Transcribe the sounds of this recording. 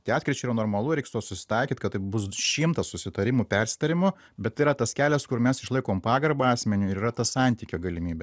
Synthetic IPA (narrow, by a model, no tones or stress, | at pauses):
t̪ʲɐɪɑːt̪ʲkɾʲɪt͡ʃʲɛiːɾɐnoːrmɐlˠʊɾʲɛɪkst̪oːsʊsʲɪ̥t̪ɐɪkʲiːt̪kɐt̪t̪ːɐɪbʊsʃʲimt̪ɐsʊsʲɪt̪ɐɾʲɪmʊpʲɛɾʲsʲɪ̥t̪ɐɾʲɪmʊ | bʲɛt̪t̪ːɪiɾɐt̪ɐskʲæːlʲɛskʊɾmʲɛsɪʃlˠɐɪkoːmpɑːɡɐrbɐɑːsʲmʲɛnʲʊɪɾiːrɐt̪ɐsɑnʲt̪ʲiːkʲoːɡɐlʲɪmʲiːbʲɛ